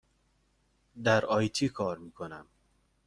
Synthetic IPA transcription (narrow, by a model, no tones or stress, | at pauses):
d̪æɾɒːjt̪ʰiːkʰɒːɾmiːkʰonæm